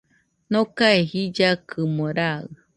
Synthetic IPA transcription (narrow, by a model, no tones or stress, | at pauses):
nokaeɦid͡ʒakʰɨmoɾaɯ̰